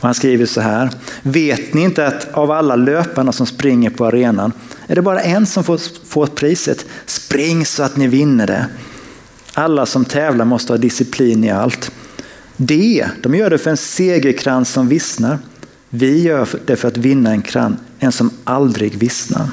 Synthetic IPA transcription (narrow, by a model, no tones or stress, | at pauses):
ɔhanskɾiːvəʂɔɦæːɾveːt̪nɪɪnt̪əat̪avalːaløːpanasɔmspɾɪŋːəɾpʰɔaɾeːnanæɖɛbɑːɾaʔɛnsɔmfo | foːɾpʰɾiːsə̰t̪spɾɪŋːsɔat̪nɪvɪnːəɖɛ̰ | alːasɔmt̪ʰɛːvlaɾmɔst̪əhɑːd̪ɪsɪpʰliːnɪa̰lt̪ | d̪ɛd̪̥ɔmjœːɖɛfœɾɛnseːɡəkʰɾansɔmvɪsnaɾ | vɪjœːɖɛfœɾat̪vɪnːaɛnkʰɾa̰nɛnsɔmʔald̪ɾɪɡvɪsna̰ɾ